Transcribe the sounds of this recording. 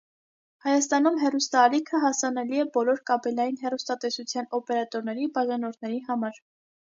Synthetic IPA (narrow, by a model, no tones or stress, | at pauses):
hɑjɑst̪ɑn̪umɦɛrust̪ɑːlikʰəɦɑsɑnɛliɛbɔlɔɾkɑbɛlɑjinɦɛrust̪ɑt̪ɛsut͡sʰjɑnɔpɛɾɑt̪ɔɾnɛɾibɑʒɑnɔɾnɛɾiɦɑmɑɾ